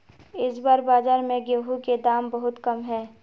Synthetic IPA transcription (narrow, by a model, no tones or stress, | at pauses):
ɪsbaːɾbaːd͡ʒaːɾmẽɡeɦuked̪aːmbɐɦʊt̪kɐmɦɛː